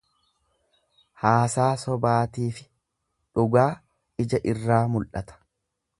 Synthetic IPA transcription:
haːsaːsɔbaːt̪iːfɪ | ᶑʊɡaː | ɪd͡ʒɐʔɪrːaːmʊlʔɐt̪ɐ̥

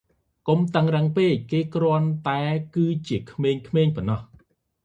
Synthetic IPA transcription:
komt̪əŋrəŋpeːc̚keːkrŏənt̪aɛkɨːt͡ɕiəkʰmeːɲkʰmeːɲpɔnːɑh

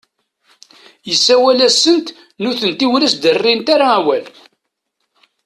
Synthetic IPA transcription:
jəsːæwælæsːənt̪ | nʊθənt̪iwɾæsd̪ərːint̪aɾaæwæl

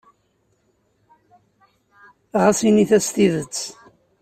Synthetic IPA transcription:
ʁasiniθæst̪iðət͡sː

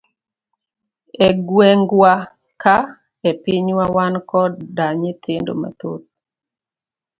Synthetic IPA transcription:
ɛɡwɛŋɡwa | ka | ɛpɪɲwawankɔdaɲet̪ʰendo̰ma̰t̪ot̪̚

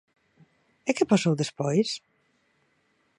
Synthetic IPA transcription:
ekɛpɔsewðespɔjs

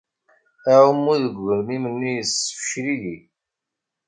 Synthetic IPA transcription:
æəmːuðəɡʷvəɾmimənːijəsə̥fʃɾiji

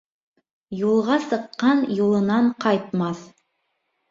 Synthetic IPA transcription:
julˠʁɑsɤ̆qːɑnjulˠɤ̆nɑɴqɑjt̪̚mɑθ

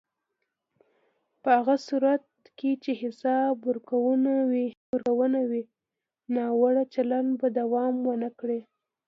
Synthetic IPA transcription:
pəhaɣasuɾat̪̚ | ket͡ʃehɪsɑbuɾkawənawi | uɾkawənawi | nɑwaɽat͡ʃalanbad̪awɑmwənəkɽe

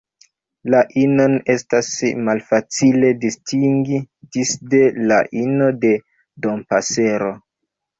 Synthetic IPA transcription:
laʔino̞ne̞stasmalfat͡sile̞distiŋɡid͡ʒisde̞laʔino̞de̞ | do̞mpase̞ɾo̞

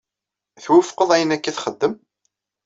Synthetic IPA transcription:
θwəfqəðˤæjənækːiθχəd̪ːəm

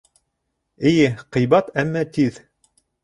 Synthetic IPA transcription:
ɘ̆jɘqɤ̆jbɑt̪æmːæt̪ið

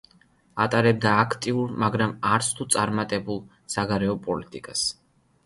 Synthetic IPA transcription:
at̪ʼaɾɛb̚d̪aːkʰt̪ʼiuɾmaɡɾamaɾt̪sʰt̪ʰut̪sʼaɾmat̪ʼɛbulˠ | saɡaɾɛɔpʼɔlit̪ʼikʼas

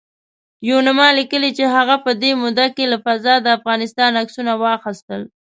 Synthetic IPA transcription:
junamɑlikəlit͡ʃeɦaɣapəd̪emud̪akelafazɑd̪əafɣɑnɪst̪ɑnaksunawɑxəst̪əl

